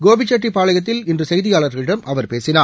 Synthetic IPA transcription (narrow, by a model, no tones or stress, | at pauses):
ɡoːbɪt͡ʃːɐʈripaːɭɐjɣɐt̪ːɪlɪndrɯsɛjðɪjaːɭɐɾɣɐɭɪɽɐmʔɐʋɐɾpeːsɪnaː